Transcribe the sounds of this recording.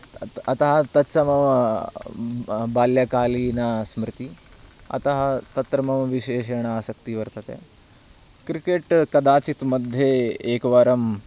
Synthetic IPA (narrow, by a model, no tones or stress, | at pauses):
ɐt̪ɐɦɐt̪ɐt͡ʃɐmɐʋɐ | baːljɐkaːlinasmɾɪt̪iː | ɐ̰t̪ɐɦɐt̪ɐt̪ɾɐmɐʋʋiɕeːʃeɳ̃aaːsɐk̚t̪iʋɐɾt̪ɐt̪ja̰ | kɾikeʈkɐd̪aːt͡ɕit̪mɐd̪ʱːjeeːkʋaːɾɐm